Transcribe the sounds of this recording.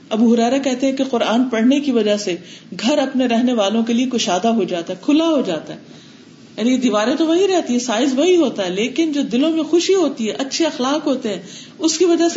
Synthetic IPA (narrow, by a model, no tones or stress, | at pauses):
ɐbuɦʊɾɛːɾakɛɦt̪eɦɛ̃keqʊɾaːnpɐɽ̤nekiʋɐd͡ʒaseɡʱɐɾɐpneɾɛɦneʋaːlõkeliekʊʃaːd̪aɦod͡ʒaːt̪aɦɛkʰʊlaɦod͡ʒaːt̪aɦɛ | jaːnied̪iːʋaːɾẽt̪oʋɐɦĩɾɛɦt̪iɦɛ̃saːɪzʋɐɦiɦoːt̪aɦɛleːkɪnd͡ʒoːd̪ɪlõmẽxʊʃiɦoːt̪iɦɛʔɐtːʃʰeɐxlaːqɦoːt̪eɦɛ̃ | ʊskiʋɐd͡ʒas